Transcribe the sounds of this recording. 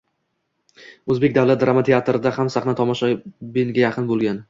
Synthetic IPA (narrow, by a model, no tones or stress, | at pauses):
ɵzbe̞k̚ʲd̪avlat̪̚d̪ɾamat̪ʰeat̪ɾɪd̪ahamsaχnat̪ʰɒmɒʃɒbɪnɡʲajaqʰɨnbolˠɡʲan